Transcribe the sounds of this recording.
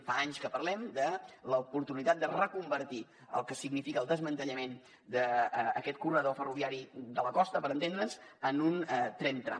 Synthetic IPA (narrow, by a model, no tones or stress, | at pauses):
faaɲskəpəɾlɛmd̪ələupuɾt̪unit̪at̪̚d̪ərəkumbəɾt̪i | ə̰lˠkəsiɡnifikəːlˠd̪əzmənt̪əʎəmen | d̪əːkɛt̪kurəðofəruβiaɾid̪ələkɔst̪əpəɾənt̪end̪ɾənzənunt̪ɾɛnt̪ɾa̰